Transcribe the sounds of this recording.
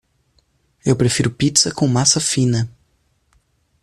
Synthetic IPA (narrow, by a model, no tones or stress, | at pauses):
ewpɾefiɾʊpit̪sɐkõmasɐfĩnɐ